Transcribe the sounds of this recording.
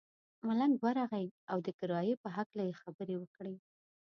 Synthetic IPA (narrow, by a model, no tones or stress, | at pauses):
malaŋɡwaɾaɣajawd̪əkɪɾɑjepəɦaklajexabəɾewəkɽi